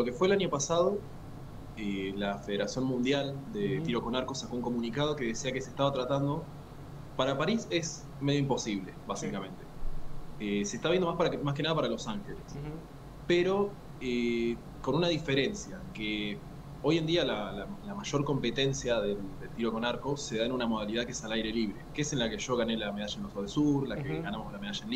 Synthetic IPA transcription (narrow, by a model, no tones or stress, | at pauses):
lo̞ke̞fweːlaɲjo̞pasað̞o̞ | elafe̞ðeɾasjo̞nmũnd̪jald̪e̞t̪iɾo̞ko̞naɾko̞sakouŋko̞mũnikað̞o̞ke̞ðesiake̞se̥st̪aβat̪ɾat̪and̪o̞ | paɾapaɾise̞s | meðjoimposiβ̞le̞βasikamẽ̞nt̪e̞ | esest̪aβjend̪mapmaskenaðapaɾalo̞saŋxe̞les | peɾo̞ | e | ko̞nunaðife̞ɾe̞nsjake | o̞je̞nd̪ialalalamaʃo̞ɾko̞mpe̞t̪e̞nsjaðe̞ld̪elt̪iɾoko̞naɾko̞se̞ð̞aenunamo̞ð̞aliðakeesalajɾe̞liβɾe̞keese̞nlake̞ʒ̥o̞ɣ̞ane̞lame̞ð̞aʃaenlosoðesuɾlakeɣanamo̞zlame̞ð̞aʃaenl